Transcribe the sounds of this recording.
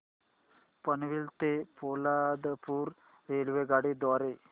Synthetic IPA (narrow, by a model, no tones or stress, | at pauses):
pɐniʋilt̪epoːlaːd̪ɐpuːɾ | ɾeːlʋeɡaːɽid̪ɔːɾe